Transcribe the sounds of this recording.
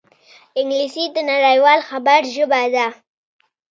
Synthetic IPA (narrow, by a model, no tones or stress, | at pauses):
ɪŋɡlisid̪ənaɾajwɑlxabaɾʒəbad̪a